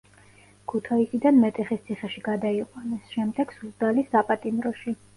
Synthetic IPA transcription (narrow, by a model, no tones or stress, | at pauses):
kʰut̪ʰaisid̪anmɛt̪ʼɛχist̪sʰiχɛʃiɡad̪aiqʼwanɛsʃɛmd̪ɛɡ̥suzd̪alisapʼat̪ʼimɾɔʃi